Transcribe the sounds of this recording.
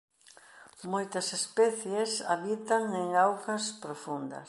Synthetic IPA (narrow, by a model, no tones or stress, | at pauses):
mojt̪ɐsespɛθjesaβit̪aŋeŋawkɐspɾofund̪ɐ̰s